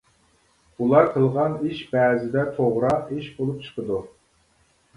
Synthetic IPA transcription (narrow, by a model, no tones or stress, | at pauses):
ulˠɑɾqʰəlˠʁɑniʃbɛːzɪd̪ɛt̪ʰoʁɾɑiʃbolˠup̚t͡ʃʰə̥qʰəd̪u